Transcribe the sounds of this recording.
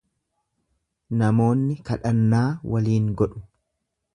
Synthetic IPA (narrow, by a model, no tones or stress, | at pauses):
nɐmo̞ːnːɪkɐᶑɐnːaːwʔɐliːŋɡɔᶑʊ̥